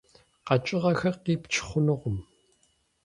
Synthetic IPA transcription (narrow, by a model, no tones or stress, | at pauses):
qɑt͡ʃʼɪʁɐxɐqiːpt͡ʃʰɪ̥χʷʊnɨʁʷʊm